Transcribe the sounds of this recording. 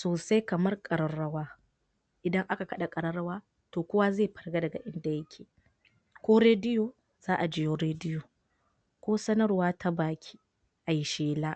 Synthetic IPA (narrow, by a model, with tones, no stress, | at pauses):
soː˨sa˦jkɐ˨mɐ˦rkʼɐ˨ɾɐ˦ɾːɐ˦waː˦ | ʔɪ˨dɐ˦ŋʔa˦ka˨kɐ˦ɗa˨kʼɐ˨ɾɐ˦ɽɐ˦waː˦ | toː˨kʷʊ˦waː˦zeː˦˨ɸɐ˨rɡa˦dɐ˨ɡa˨ʔɪ˦nda˨jɐ˦kʲʰeː˨ | kʷoː˦ɾeː˦dɪ˦joː˨ | z̥aː˦ʔa˨d͡ʒɪ˦joː˦ɾeː˦dɪ˦joː˨ | kʷoː˦sɐ˦nɐ˦rwaː˦tʰa˦baː˨kʲʰi̥˦ | ʔa˨ji˦ʃeː˦laː˦